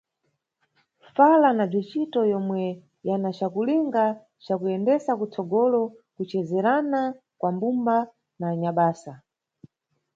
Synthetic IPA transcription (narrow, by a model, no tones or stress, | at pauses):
falanab͡ʐit͡ʃitɔjɔmwɛ | janat͡ʃakuliŋɡa | t͡ʃakujɛndɛsakut͡sɔɡɔlɔkut͡ʃɛzɛɾana | kwambumba | naːɲaɓaːsa